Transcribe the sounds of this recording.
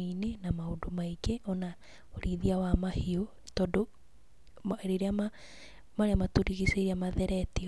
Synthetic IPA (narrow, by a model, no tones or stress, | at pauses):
inenamaodomaiɡeʔɔna | oɾiðiawamahio | tɔdo | meɾeɾeama | maɾeamatoɾiɣiseɾiamaðɛɾɛti